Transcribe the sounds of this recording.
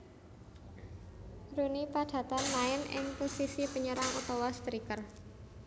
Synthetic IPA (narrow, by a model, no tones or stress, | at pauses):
runipaɖ̥a̤t̪anlaɪnɪ̰ŋposisipəɲəɾaŋut̪owast̪ɾikər